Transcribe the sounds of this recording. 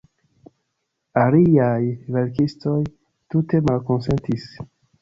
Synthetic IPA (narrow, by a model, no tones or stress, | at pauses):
aliajve̞ɾkisto̞j | tute̞malko̞nse̞ntis